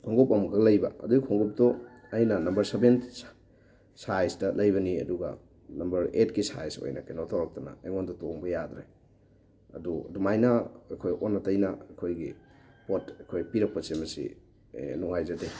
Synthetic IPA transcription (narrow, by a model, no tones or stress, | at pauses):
kʰoŋɡopɐmɡɐlɐjbɐ̰ɐ̰duɡikʰoŋɡop̚to | ɐjnɐnɐmbɐɾseben | sajstɐlɐjbɐniɐ̰duɡɐ̰ | nɐmbɐɾetɡisa̰jso̰jnakenotʰowɾɐk̚tɐnɐ̰ːjŋondutoŋbɐjad̪ɾe | ɐ̰duɐ̰dumajnaɐjkʰojonːɐtɐjnɐɐkʰojɡi | potɐkʰojpiɾɐk̚pɐsemɐsḭ | nuŋhajzɐde